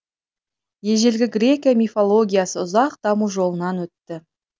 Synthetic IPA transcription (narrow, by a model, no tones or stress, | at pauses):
je̞ʒe̞lɡʲɪɡrʲe̞kʲijamʲifo̞lˠo̞ɡʲijasəʊzɑqd̪ɑmuʒo̞lˠənɑnwɵt̪ːɪ